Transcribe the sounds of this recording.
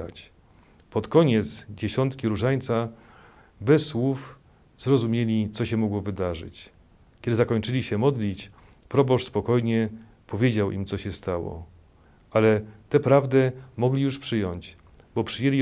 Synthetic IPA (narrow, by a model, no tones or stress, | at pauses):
a̰t͡ɕ | pɔt̪kɔɲɛt̪sd͡ʑeɕɔnt̪kʲiɾuʐaɲt̪sa | bɛsːwuf | zɾɔzumʲjelʲit̪sɔɕɛmɔɡwɔvɘd̪aʐɘ̰t͡ɕ | kʲɛd̪ɘzakɔɲt͡ʂɘlʲiɕɛmɔd̪lʲit͡ɕ | pɾɔbɔʂspɔkɔjɲɛ | pɔvʲjed͡ʑawʔimt̪sɔɕɛst̪awɔ̰ | alɛt̪ɛpɾavd̪ɛmɔɡlʲijuʂpʂɘjɔɲt͡ɕ | bɔpʂɘjelʲi